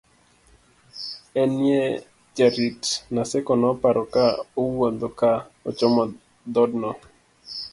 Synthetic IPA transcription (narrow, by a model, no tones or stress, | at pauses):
ɛnjɛ | d͡ʒaɾitnasɛkɔnɔpaɾʔɔkaowod̪ɔkaɔ̰t͡ʃɔmɔ | d̪ɔdnɔ